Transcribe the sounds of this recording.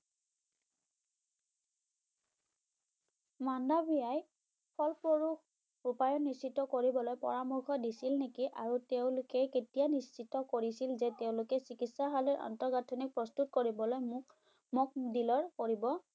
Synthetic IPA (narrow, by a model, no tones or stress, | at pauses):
mandabijaj | pʰɔlpoɹux | upajɔnːissitɔkoɹibɔlojpɔ̰ɹamɔɹxʰɔdisilnekiʔaɹuteʊ̃lʊkɛketijanisːitɔkoɹisilzɛteʊ̃lʊkɛsikitsaɦalɛɹʔɔ̰ntɔɹɡatʰɔnik̚pɹɔstutkoɹibɔlojmʊk | mɔk̚dilɔɹkoɹibɔ